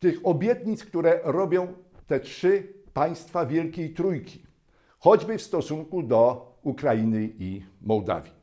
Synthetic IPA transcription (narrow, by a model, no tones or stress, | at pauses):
t̪ɘxɔbʲjɛt̪ɲit̪skt̪uɾɛɾɔbʲjɔ̃w̃t̪ɛtʂɘpaj̃st̪favʲjɛlkʲejt̪ɾujkʲi̥ | xɔd͡ʑbɘfst̪ɔsuŋkud̪ɔ | ukɾajinɘimɔwd̪a̰vʲji